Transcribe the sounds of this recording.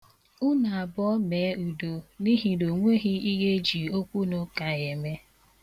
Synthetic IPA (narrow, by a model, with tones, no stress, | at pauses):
ʊ˦na˨a˨bɔ˦me˨˦u˨do˨ni˦ɦi˦no˨ŋʷe˦ɣi˦i˦ɣe˦d͡ʒi˨o˦kʷu˦no˦ka˨ɣe˨me˦